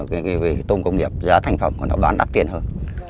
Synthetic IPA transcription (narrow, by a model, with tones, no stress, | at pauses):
kaː˨˦kːvi˨˩t̪o˧ŋ͡mkə˧wŋ͡mŋi˨˩əp̚zaː˨˦t̪ʰa˨˧jŋ̟fə˨˩mku˧˩nɔ̰˨˦ɓaː˨˦nɗa˦˥k̚t̪i˧ənhəː˧n